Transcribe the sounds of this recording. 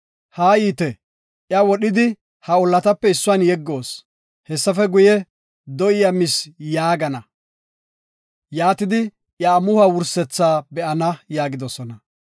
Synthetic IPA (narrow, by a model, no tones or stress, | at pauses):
haːjiːt̪ɛ | ʔjɐwɔɗɪd̪ɪ | hɐɔlːɐt̪ɐpːɛɪsːʊanjɛɡːo̞ːs | hɛsːɐfɛɡʊjɛ | d̪ɔʔɪjɐmɪsjaːɡɐnɐ | jaːt̪ɪd̪ɪ | ʔjaːmʊhɐwʊɾsɛt͡sːaːbɛʔɐnɐjaːɡɪd̪ɔsɔnɐ